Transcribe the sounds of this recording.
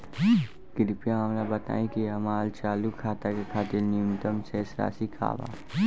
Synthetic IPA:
kɪɾpjaaːmlabɐt̪a̰ːĩkiɐmaːlt͡ʃaːlukʰːaːt̪akekʰaːt̪ɪlnijʊmt̪əmsesɾa̰ːsikʰa̰ːba̰ː

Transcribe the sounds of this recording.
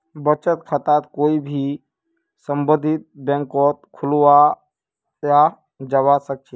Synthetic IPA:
bət͡ʃət̪kʰət̪at̪koːibʱi | sə̃mbəd̪ʱɪt̪̚bɛ̃ŋkɔt̪̚kʰʊlwa | ja | d͡ʒəʋasək̚t͡ʃʰe

